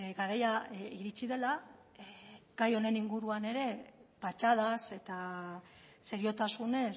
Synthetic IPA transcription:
ɡaɾajaiɾit͡siðe̞la | ɡ̥ajo̞ne̞niŋɡuɾuane̞ɾe̞pat͡ʃað̞ase̞t̪a | se̞ɾio̞t̪asune̞

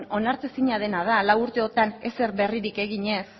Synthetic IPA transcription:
no̞naɾt͡s̪esiɲað̞e̞nað̞alawuɾt̪e̞o̞t̪anese̞ɾβe̞riɾike̞ɣiɲe̞s

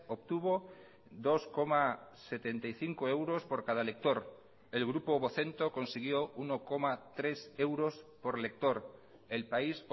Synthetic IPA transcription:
opt̪uβo | d̪oskomaset̪ent̪ajθiŋkoewɾo̞spoɾkaðalek̚t̪oɾ | elɣɾupoβoθe̞nt̪oko̞nsiɣ̞jounokomat̪ɾese̞wɾospoɾlek̚t̪oɾ | elpais

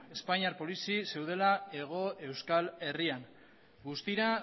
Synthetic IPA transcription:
e̞spaɲiaɾpo̞lisise̞wð̞e̞lae̞ɣ̞o̞e̞wskale̞riaŋ | ɡust̪iɾa

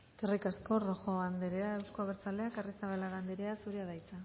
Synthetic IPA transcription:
skerikasko̞roxoand̪eɾeae̞wskoaβeɾt͡saleakarisaβalaɣand̪eɾeasuɾeaðajt͡sa

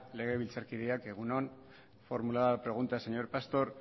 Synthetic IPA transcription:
le̞ɣ̞e̞βilt͡saɾkiðeake̞ɣ̞uno̞n | fo̞ɾmulaðapɾe̞ɣ̞unt̪aseɲo̞ɾpast̪o̞ɾ

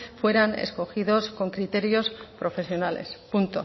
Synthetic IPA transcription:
fwe̞ɾanḛsko̞xiðo̞sko̞ŋkɾit̪e̞ɾjo̞spɾo̞fe̞sjo̞nalḛspunt̪o̞

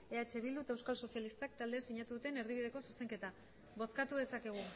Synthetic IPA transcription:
e̞at͡ʃe̞βild̪ut̪aewskalso̞sijalist̪ak̚t̪ald̪esiɲat̪uðut̪e̞ne̞ɾð̞iβið̞e̞ko̞suse̞ŋke̞t̪a | βo̞skat̪uðe̞sake̞ɣ̞u

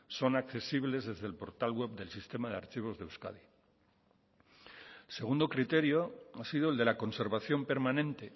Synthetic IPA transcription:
so̞nakθe̞siβle̞zðe̞zðe̞lpo̞ɾt̪alɣwe̞βd̪e̞lsist̪e̞maðea̰ɾt͡ʃiβ̞o̞zðewska̰ði | se̞ɣ̞und̪o̞kɾit̪e̞ɾjo̞asiðoeld̪e̞lako̞nse̞ɾβaθjo̞mpe̞ɾmãnẽ̞nt̪e

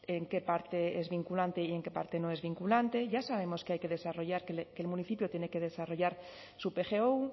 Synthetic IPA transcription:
eŋke̞paɾt̪e̞ezβiŋkulant̪e̞ie̞ŋke̞pa̰ɾt̪e̞no̞e̞zβiŋkulant̪e̞ʝasaβ̞e̞mo̞skeajke̞ðe̞saro̞ʝaɾkelkelmũniθipjot̪jeneke̞ð̞e̞saro̞ʝaɾ | supe̞xe̞ou

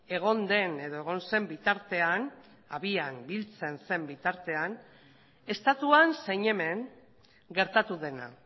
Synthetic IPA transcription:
e̞ɣ̞o̞nd̪e̞ne̞ðo̞e̞ɣ̞o̞nse̞mbit̪aɾt̪e̞an | aβiambilt͡se̞nse̞mbit̪aɾt̪e̞an | e̞st̪at̪uansejɲe̞me̞ŋ | ɡe̞ɾt̪at̪uðe̞na̰

